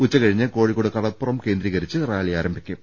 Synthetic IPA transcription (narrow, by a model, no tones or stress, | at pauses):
ut͡ɕːɐkɐɻiɲːɨko̞ːɻikːuɽukɐɽɐpːurɐmke̞ːnd̪ɾiːɣɐɾit͡ɕːɨraːɭijaːɾɐmbʱikʲːum